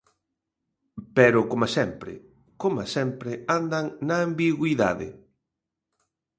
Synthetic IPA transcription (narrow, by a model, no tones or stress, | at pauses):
pɛɾʊkomasɛmpɾɪ̰ | koma̰sɛmpɾɪand̪aŋnaːmbiɣwiða̰ðɪ̰